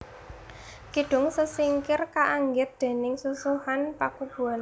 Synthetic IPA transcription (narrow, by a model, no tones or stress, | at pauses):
kiɖ̥ʊ̤ŋsəsiŋkɪrkaʔaŋɡɪt̪̚d̪̥e̤nɪŋsusuhanpakub̥ṳal